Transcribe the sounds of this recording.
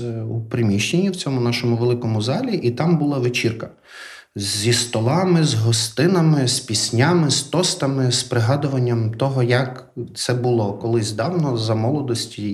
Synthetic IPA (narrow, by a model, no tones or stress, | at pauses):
upɾɪmʲiʃt͡ʃenʲːiwt͡sʲɔmʊnɑʃɔmʊʋelˠɪkɔmʊzɑlʲiʔit̪ɑmbʊlˠɑʋet͡ʃʲirkɐ | zʲist̪ɔlˠɑmɪzɦɔst̪ɪnɐmɪspʲisʲnʲamɪst̪ɔst̪ɐmɪspɾɪɦɑd̪ʊʋɐnʲːɐmt̪ɔɦɔjɐk | t̪sɛbʊlˠɔkɔlˠɪzʲd̪ɑwnɔzɐmɔlˠɔd̪ɔsʲtʲi